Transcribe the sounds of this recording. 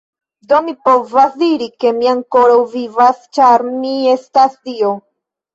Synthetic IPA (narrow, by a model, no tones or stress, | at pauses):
do̞mipo̞vasdiɾike̞miaŋko̞ɾawvivast͡ʃaɾmie̞stasdio